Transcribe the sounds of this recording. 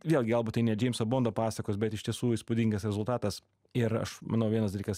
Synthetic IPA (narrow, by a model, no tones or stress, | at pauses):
ʋʲeːlˠʲɡʲɪɐlˠbuːt̪ɐɪnʲɛd͡ʒʲɛɪmsɐboːnd̪opɑːsɐkoːsbʲɛt̪ɪʃt̪ʲiɛsuːispʊd̪ʲɪŋɡɐsɾʲɛzʊlˠt̪ɑːt̪ɐs | ɪɾɐ̰ʃmɐ̰nɐʊʋʲiɛnɐsd̪ɐlʲiːkɐs